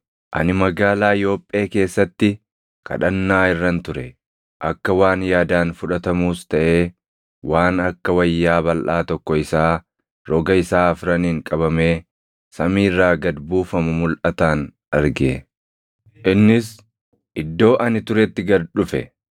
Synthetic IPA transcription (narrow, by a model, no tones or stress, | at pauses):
ʔɐ̰nɪmɐɡaːlaːɪjo̞ːpʼːe̞ːke̞ːsːɐt̪ːɪ | kɐ̰ᶑɐnːaːɪrːɐnt̪ʊɾɛ | ʔɐkːɐwaːnjaːd̪aːnfʊᶑɐt̪ɐmuːst̪ɐʔe̞ː | waːnɐkːɐwɐjːaːbɐlʔaːt̪ɔkːɔɪsaː | ɾɔɡɐɪsaːɐfɾɐniːŋkʼɐβɐmeː | sɐmiːrːaːɡɐd̪buːfɐmʊmʊlʔɐt̪aːn | ɐɾɡe | ʔɪnːɪs | ʔɪd̪ːo̞ːʔɐnɪt̪ʊɾɛt̪ːɪɡɐɾᶑʊfɛ̰